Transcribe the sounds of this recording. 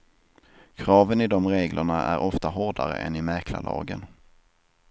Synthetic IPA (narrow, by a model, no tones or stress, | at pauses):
kʰɾɑːvənɪd̪ɔmɾeːɡlʔəɳaæ̰ɾʔɔft̪aɦɔɖaɾə̰ʔɛ̰nɪmæɾkla̰lɑ̰ːɡən